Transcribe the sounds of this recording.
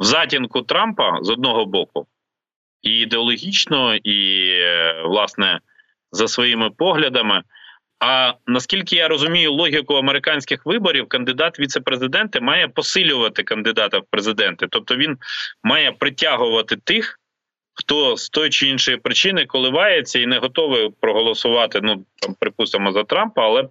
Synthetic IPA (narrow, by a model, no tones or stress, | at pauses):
wzɑtʲinkʊt̪ɾɑmpɐ̰zɔd̪̚nɔɦɔbɔkʊ̰ | iːd̪eɔlˠɔɦʲit͡ʃnɔi | ʋlˠɑsnɛ | zɐsʋɔjimɪpɔɦlʲɐd̪ɐmɪ | ɐnɐskʲilʲkɪjaɾɔzʊmʲijʊlˠɔɦʲikʊɐmeɾɪkɑnʲsʲkɪxʋɪbɔɾʲiwkɐnd̪ɪd̪ɑt̪ʋʲit̪sɛpɾezɪd̪ɛnt̪ɪmɑjɛpɔsɪlʲʊʋɐt̪ɪkɐnd̪ɪd̪ɑt̪ɐwpɾezɪd̪ɛnt̪ɪt̪ɔp̚t̪ɔʋʲinmɑjɛpɾɪtʲaɦʊʋɐt̪ɪt̪ɪx | xt̪ɔst̪ɔjʊt͡ʃɪinʃɔjipɾɪt͡ʃɪnɪkɔlˠɪʋɑjet͡sʲːɐinɛɦɔt̪ɔʋɪpɾɔɦɔlˠɔsʊʋɑt̪ɪnut̪ɑmpɾɪpust̪ɪmɔzɐt̪ɾɑmpɐɐlˠɛ